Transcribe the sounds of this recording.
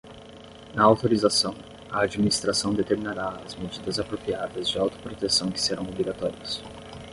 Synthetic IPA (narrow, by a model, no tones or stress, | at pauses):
nɐawt̪oɾizasɐ̃w̃ | ɐad͡ʒiminist̪ɾasɐ̃w̃d̪et̪eɾminaɾaɐzmed͡ʒid̪ɐzapɾopiad̪ɐzd͡ʒɪawt̪o̥pɾot̪esɐ̃w̃kɪ̥seɾɐ̃w̃obɾiɡat̪ɔɾiɐs